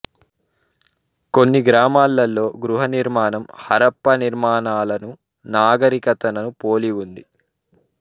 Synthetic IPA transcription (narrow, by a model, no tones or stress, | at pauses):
ko̞nːiɡɾaːmaːlːɐlːo̞ːɡɾuɦɐniɾmaːnɐmhɐɾɐpːɐniɾmaːnaːlɐnu | naːɡɐɾikɐt̪ɐnɐnupo̞ːliwund̪i